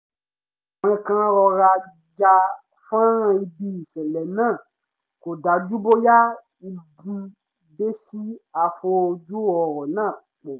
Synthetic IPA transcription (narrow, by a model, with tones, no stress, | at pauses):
ɛ̃˧kã˦ɾɔ˧ɾa˧ | d͡ʒa˧ | fã˦ɾã˧i˧bi˧˨sɛ˨lɛ˨nã˦˨ | ko˨da˨˦d͡ʒu˦bo˦ja˦ | i˧di˧ | be˦si˦a˨fo˧d͡ʒu˦ɔ˨ɾɔ˨nãː˦˨ | k͡po˨